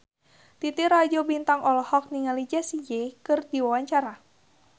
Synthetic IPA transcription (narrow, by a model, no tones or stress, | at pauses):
t̪it̪irad͡ʒobint̪aŋʔɔlɔhɔk̚niŋalid͡ʒasid͡ʒekɨrdiwawaɲt͡ʃaɾa